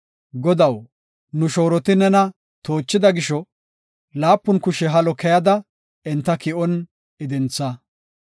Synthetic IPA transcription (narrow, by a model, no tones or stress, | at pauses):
ɡɔd̪ɐw | nʊʃo̞ːɾɔt̪ɪnɛnɐ | t̪oːt͡ʃːɪd̪ɐɡɪʃɔ | laːpːʊnkʊʃɛɦɐlɔkɛjɐd̪ɐ | ɛnt̪ːɐkɪʔɔn | ɪd̪ɛnt͡sːɐ